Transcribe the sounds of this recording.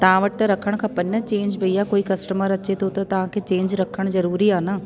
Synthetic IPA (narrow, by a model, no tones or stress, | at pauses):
t̪ɐʋ̤ãʋəʈɪt̪ɐɾɐkʰəɽ̃kʰãːpɐnət͡ɕẽːɲd͡ʒbɐijakoːikɐsʈəməɾɐt͡ɕet̪ʰot̪ɐt̪ɐʋ̤ãkʰeːt͡ɕẽːɲd͡ʒɾɐkʰəɽ̃zɐɾuːɾiaːnaː